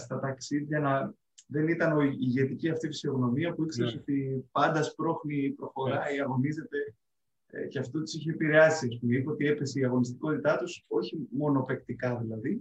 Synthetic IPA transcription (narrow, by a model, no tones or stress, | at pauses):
st̪ɐt̪ɐksiðʝɐnɐ | ðe̞nit̪ɐno̞iiʝe̞t̪iciɐft̪ifi̥sio̞ɣno̞miɐpuikseɾeso̞t̪ipɐnd̪ɐspɾo̞xnipɾo̞xo̞ɾɐiɐɣo̞nize̞t̪e̞̰ | ceɐft̪ot̪i̥siçeːpiɾe̞ɐsiɐspumipeot̪ie̞pe̞seiɐɣo̞nist̪i̥ko̞t̪it̪ɐt̪uso̞çimo̞no̞pe̞kt̪ikɐðilɐði